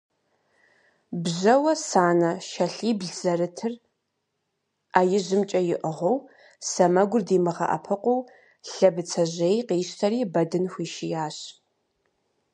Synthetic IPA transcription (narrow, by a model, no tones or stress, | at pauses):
bʑɐwɐsaːnɐʃɐɬiːbɮz̥ɐrɨtʰɨr | aːjɪʑɪmt͡ʃʼɐjɪʔəʁʷow | sɐmɐɡʷʊrdiːmɨʁɐ̰ʔɐ̰pʰɨqʷow | ɬɐbɨt͡sʰɐʑejqiːɕtʰɐriːbɐdɨnxʷiːʃɪjaːɕ